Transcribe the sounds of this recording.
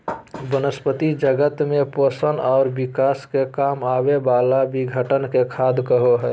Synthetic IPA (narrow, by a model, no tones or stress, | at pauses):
bənəspət̪id͡ʒəɡət̪mẽposənɔːɾbɪkaːskekaːmaːbebaːlabiɡʱəʈənkekʰaːd̪kəɦoɦɛ